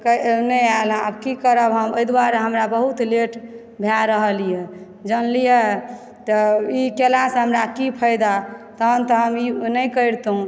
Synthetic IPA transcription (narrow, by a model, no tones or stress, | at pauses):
kənəjal̃ə̰bkikəɾəbɦəmojd̪waɾɦəmɾabəɦut̪leʈ | bʱjaɾəɦəlije | d͡ʒənlije | t̪ɔikelãsẽɦəmɾakipʰəjd̪at̪əɦənt̪ɔɦəminəjkəjɾt̪ɦũ